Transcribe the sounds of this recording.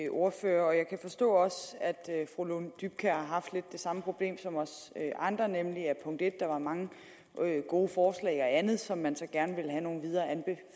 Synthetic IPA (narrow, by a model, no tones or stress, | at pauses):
ʔo̝ɐfø̰ːɐɒ̽jɑ̈ɪkʰæfɒ̽sd̥ɔ̰̽ːɒ̽sæd̥fʁolond̥yb̥̚kʰæhɑ̈ɦɑ̈fd̥le̝d̥ːe̝sɑ̈məpʰʁo̝b̥le̝̰ːmsɒ̽mɒ̽søʔɑ̈nd̥ʁɐnemliæpʰɔ̽ŋ̰d̥e̝d̥ːɑ̈ʋɑ̈mɑ̈ŋə | ɡ̥o̝ːfɒːslɛ̰ɪɒænð̞̩ˠsɒ̽mːænsɒ̽ɡ̥æɐnəʋe̝ləɦæno̝ːn̩ʋið̞ˠɐːænb̥e